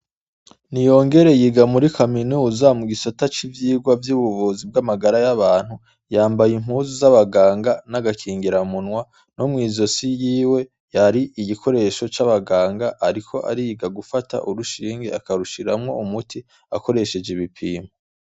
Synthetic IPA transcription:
nijo̞ːŋɡe̞ɾe̞jiɡamuɾikʰaminuːzamuɡisotat͡ʃivjiːɡwavjuːβuvuzib̚ɡamaɡaɾajaβaːn̥hu | jaːmbajimɦhuːzuzaβaɡaːŋɡanaɡakʰiːŋɡiɾamunwa | no̞mŋiːzo̞sijiːwe̞ | jaɾiʔiɡikʰo̞ɾe̞ʃo̞t͡ʃaβaɡaːŋɡaʔaɾikʰo̞ʔa̰ɾijiɡaɡufata̰ʔuɾuʃiːŋɡe̞̰akaɾuʃiɾamŋo̞umutʰi | ako̞ɾe̞ʃe̞d͡ʒeβipʰiːma

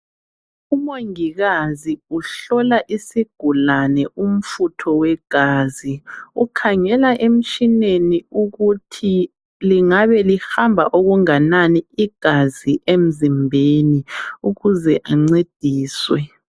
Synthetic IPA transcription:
umoŋiɣaziuɬɔlaʔisiɡ̥ʱulanɛʔum̩futʰɔwɛɡ̥ʱaːziukʰaŋɛlaʔem̩t͡ʃineniuɣutʰi | liŋaβɛlihambʱaʔoɣuŋananiiɡ̥ʱaziʔem̩zimbʱeniuɣuzɛʔaŋ͡ǀed̥ʱiːswɛ

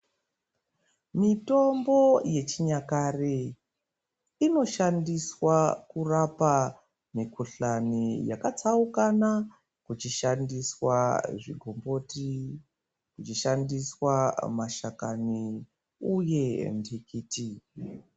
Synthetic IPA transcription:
mito̞mbo̞je̞t͡ʃiɲakare | ino̞ʃandiswakurapa | mikuɬanijakat͡saukana | kut͡ʃiʃandiswaʐḭɡʱombo̞ti | kut͡ʃiʃandiswamaʃakani | uje̞ndʱikiːti

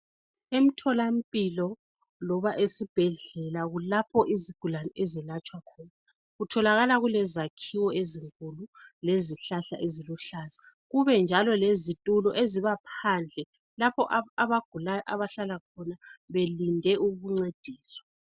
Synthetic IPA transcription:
em̩tʰɔlam̩pʼilɔ | lɔβaʔesib̥ʱɛɮɛlaɣulapʰɔʔiziɡ̥ʱulanɛʔezilat͡ʃʼwakʰɔːna | ɣutʰɔlaɣalaɣulɛzakʰiwɔeziŋkʼululeziɬaɬa̰ʔeziluɬaːzḁ | ɣuβɛnd͡ʒʱalɔlezitʼulɔʔeziβapʰand͡ɮʱɛ | lapʰɔʔaaβaɡ̥ʱulajʔaβaɬalakʰɔnaβelindʱɛʔuɣuŋ͡ǀed̥ʱiːswḁ

